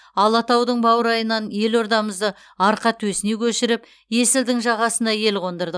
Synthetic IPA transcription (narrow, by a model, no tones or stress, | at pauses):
ɑlˠɑt̪ɑwd̪əɴbɑwəɾɑjənɑnje̞lo̞ɾd̪ɑməzd̪ə | ɑɾqɑt̪ʰwɵsɪne̞kʲʰɵʃɪɾɪp | je̞sɪld̪ɪŋʒɑʁɑsənɑje̞lqʰo̞nd̪əɾd̪ə